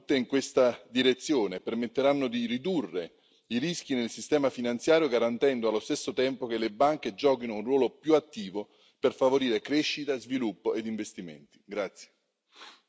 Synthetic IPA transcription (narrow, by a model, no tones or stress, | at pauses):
t̪ːeiŋkwest̪ad̪iɾet̪sːjoːnepermet̪ːeɾanːod̪irid̪urːe | iɾisk̟inelsist̪ɛːmafinant̪sjaːɾjoɡaɾant̪ɛnd̪oalːost̪esːot̪ɛmpok̟elebaŋk̟ed͡ʒɔːkinounrwɔːlopjuat̪ːiːvo | perfavoɾiːɾekɾeʃːit̪azvilupːoʔed̪iɱvest̪imḛnt̪i̥ɡɾat̪sːje̥